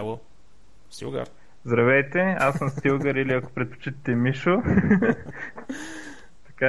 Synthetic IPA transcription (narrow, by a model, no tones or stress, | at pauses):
o | st̪ḭɡə̰ | zd̪ɾɐvɛjt̪ɛassəmst̪ilˠɡəɾiliɐko̥pɾɛt̪po̥t͡ʃit̪ət̪ɛmiʃo | t̪ɐ̥ka